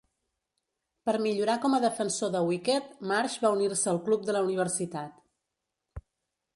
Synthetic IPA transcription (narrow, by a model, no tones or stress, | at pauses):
pəɾmiʎuɾakɔməðəfənsoðəwikɛt̪̚maɾʒβauniɾsəːlˠklup̚d̪ələuniβ̞əɾsit̪at̪